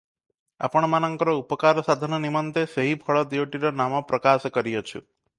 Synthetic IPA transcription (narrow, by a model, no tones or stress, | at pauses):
a̰pəɽ̃manəŋkɔɾɔupəkaɾɔsad̪ʱɔnɔnimɔnt̪eseɦibʱɔɭɔd̪iwʈiɾɔnamapɾəkaskəɾiot͡ʃʰṵ